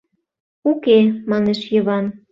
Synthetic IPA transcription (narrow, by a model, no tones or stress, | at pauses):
ukemɑneʃjəβɑn